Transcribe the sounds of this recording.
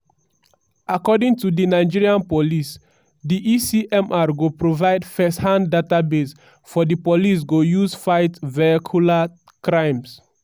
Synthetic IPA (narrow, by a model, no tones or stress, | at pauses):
akɔdĩŋtudinaɪd͡ʒiɹiãnpolis | diʔisiʔɛ̃mʔaɹɡopɹovaɪdfɛsthãndatabes | fɔdipolis̬ɡojusfaɪtvɛkʰula | kɹãɪ̃ms